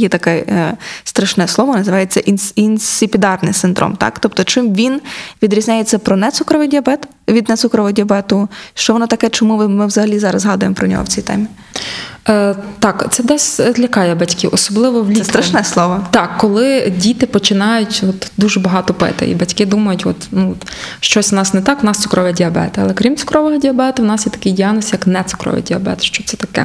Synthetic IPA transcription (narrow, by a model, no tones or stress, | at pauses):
jɛt̪ɐkɛst̪ɾɐʃnɛsˠɔʋɔnɐzɨʋɑjet͡sʲːɐʔininssʲɪpʲid̪ɑrnɪ̰jsɪnd̪ɾʔɔ̰mt̪ɑ̰kt̪ɔpt̪ɔt͡ʃɪmʋʲinʋʲid̪ɾʲizʲnʲajet͡sʲːɐpɾɔnɛt̪sukɾɔʋɪjdʲiɐbɛt̪ | ʋʲid̪nɛt̪sukɾɔʋɔdʲiɐbɛt̪ʊʃt͡ʃɔʋɔnɔt̪ɐkɛt͡ʃɔmumɪʋzɐɦɐlʲizɑɾɐzɦɑd̪ʊjemɔpɾɔnʲɔ̰ɦɔ̰wt͡sʲijt̪ɛ̰mʲi | t̪ɑkt̪sɛd̪ɛsʲlʲɐkɑjɛbɐtʲkɪʔɔsɔblˠɪʋɔwlʲɛst̪ɾɐʃnɛslˠɔʋɔt̪ɑkːɔlˠɪdʲit̪ɪpɔt͡ʃɪnɑjʊtʲɔt̪d̪uʒɛbɔɦɑt̪ɔpɪ̰t̪ɪ̰ḭbɐtʲkɪd̪umɐjʊtʲɔ̰t̪nu | ʃt͡ʃɔsʲnɑsnɛt̪ɑknɑst̪ʊkɾɔʋʲɛdʲiɐbɛ̰t̪ɪɐ̰lˠɛkɾʲimt̪sʊ̥kɾɔʋɔɦɐdʲiɐbɛt̪ʊwnɑsjɛt̪ɐ̥kɪjdʲijanɔsjɐknɛt̪sʊ̥kɾɔ̰ʋḭjdʲiɐbɛ̰t̪ʃt͡ʃɔt̪sɛ̥t̪ɐkɛ̰